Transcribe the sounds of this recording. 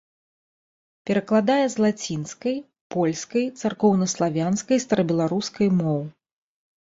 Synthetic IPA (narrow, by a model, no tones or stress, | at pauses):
pʲɛɾɐklˠad̪ajɛzlˠat͡sʲinskɐj | pɔlʲskɐjt̪sarkɔwnɐslˠavʲanskɐjst̪ɐɾɐbʲɛlˠaɾuskɐjmɔw